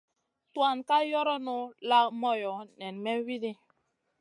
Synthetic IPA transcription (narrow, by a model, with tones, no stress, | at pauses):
twa˦˨nka˦jɔ˦ɾɔ˦nu˦la˦mɔ˦jɔ˨nɛ˨nmɛ˦wi˦ɾi˦